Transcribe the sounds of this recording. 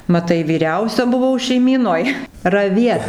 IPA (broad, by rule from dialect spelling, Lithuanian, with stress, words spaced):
mɐˈtɐɪ ʋʲiːˈrʲɛʊsʲɛ bʊˈʋɐʊ ʃʲɛɪˈmʲiːnoːj rɐˈʋʲiɛt